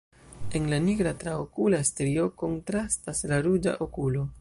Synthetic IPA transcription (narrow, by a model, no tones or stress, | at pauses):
e̞nlaniɡɾatɾaokulastɾio̞ko̞ntɾastaslaɾud͡ʒa̰ʔokulo̞